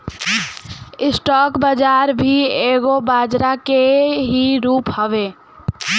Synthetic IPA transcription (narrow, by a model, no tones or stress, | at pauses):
ɪsʈɔːkbəd͡ʒaːɾbʱieːɡobaːd͡ʒɾakeɦiɾuːphəʋeː